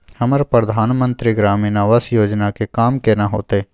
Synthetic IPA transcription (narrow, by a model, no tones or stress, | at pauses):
həməɾpɾəd̪ʱaːnmə̃nt̪ɾiɡɾaːminaʋəsjoːd͡ʒnakekaːmkenaɦo̰ːt̪e